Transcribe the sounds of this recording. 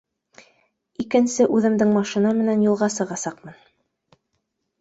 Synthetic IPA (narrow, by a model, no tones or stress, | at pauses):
ikɘ̆nsɘʔʉðɘ̆md̪ɘŋmɑʃinɑmɘ̆nænjulˠʁɑsɤ̆ʁɑsɑqmɤn